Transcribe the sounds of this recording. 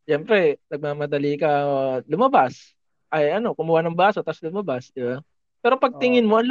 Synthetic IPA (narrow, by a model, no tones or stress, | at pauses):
ʃɛmpɾɛnɐɡ̚mamɐd̪ɐlikɐlʊmɐbas | ʔɐjɐno̞kʊmʊwanɐŋbaːso̞t̪ɐslʊmɐbasd̪ɪba | pɛːɾo̞pɐɡ̚t̪ɪŋɪnmoʔɐnl